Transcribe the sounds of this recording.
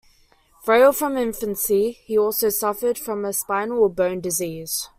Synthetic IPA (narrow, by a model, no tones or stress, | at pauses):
fɹeɪlˠfɹə̃mɪ̃ɱfə̃nsihiɔˑlˠsəʊsʌfəd̥fɹə̃məspaɪnəlˠəbə̃ʊ̃ndɪziːz̥